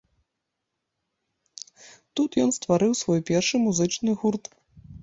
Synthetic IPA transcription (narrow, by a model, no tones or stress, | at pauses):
t̪ut̪jɔnst̪vaɾɨwsvɔjpʲɛrʂɨmuzɨt͡ʂnɨɣurt̪